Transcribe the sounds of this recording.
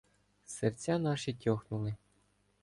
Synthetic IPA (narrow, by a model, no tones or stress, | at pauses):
sɘrʲt͡sʲɑnɑʃitʲoxnulˠɘ̆